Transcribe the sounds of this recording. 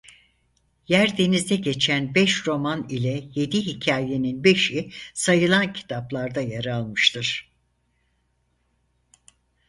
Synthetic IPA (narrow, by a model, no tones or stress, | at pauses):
jæɾd̪e̞nizd̪ɛɟe̞t͡ʃʰænbɛʃɾo̞manilʲɛje̞d̪iɦicʰaːje̞ninbe̞ʃisajɯlˠancʰi̥t̪ʰaplˠaɾd̪ajaɾalˠmɯʃt̪ʰɯɾ̥